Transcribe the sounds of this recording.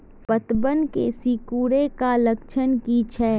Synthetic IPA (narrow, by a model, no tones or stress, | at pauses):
pɐt̪bənkḛsikuːɾekalɐkʃʰənkit͡ʃʰɛː